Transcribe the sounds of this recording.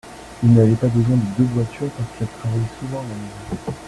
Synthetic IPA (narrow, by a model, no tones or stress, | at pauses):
ilnavɛpabəzwɛ̃d̪əd̪øvwat̪yʁpaʁskɛlt̪χavajsuvɑ̃lamezɔ̃